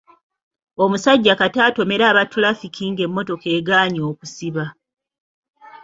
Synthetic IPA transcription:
o̞musaɟːakataːto̞me̞ɾaːβatulafikʰiŋɡe̞mːo̞to̞ke̞ːɡaːɲo̞ːku̥siβa

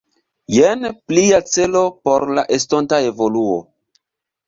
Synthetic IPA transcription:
jenpliat͡se̞lo̞po̞ɾlaʔestontae̞vo̞luo̰

